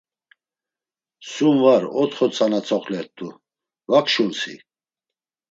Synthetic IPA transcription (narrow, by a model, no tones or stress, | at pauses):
sumvaɾɔt̪χɔt͡sʼanat͡sʰʼɔχʰlɛt̪ʼːu | vakʰʃunsḭ